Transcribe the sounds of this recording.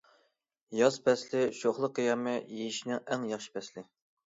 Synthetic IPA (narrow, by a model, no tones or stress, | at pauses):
jɑspɛslɪʃoχlˠəqːijɑmɛjejiʃinɪŋæŋjɑχʃi̥pʰɛslɪ